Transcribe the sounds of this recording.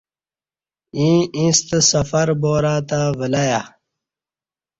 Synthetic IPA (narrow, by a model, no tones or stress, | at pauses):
ĩːĩːst̪sɐfɐɾboːɾaːt̪avəlaja